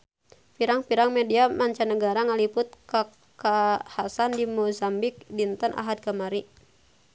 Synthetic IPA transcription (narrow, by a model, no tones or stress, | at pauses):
piɾaŋpiɾaŋmediamaɲt͡ʃanəɡaɾaŋalipʊt̪̚ka | kahasandimozambik̚dint̪əna̰ɦad̪̚kamaɾi